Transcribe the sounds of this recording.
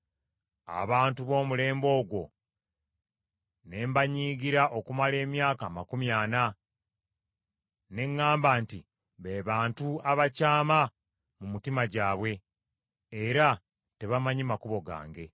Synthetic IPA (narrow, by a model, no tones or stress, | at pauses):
a̰βaːntuβo̞ːmule̞ːmbo̞ːɡwo̞̰ | ne̞ːmbaɲiːɡiɾaʔo̞kumale̞ːmjaːkaːmakumjaːna | ne̞ŋːaːmbaːnti | βe̞ːβaːntuaβacaːma | mumitimaɟaːβwe̞ː | ɾa | te̞βamaɲimakuβo̞ɡa̰ːŋɡe̞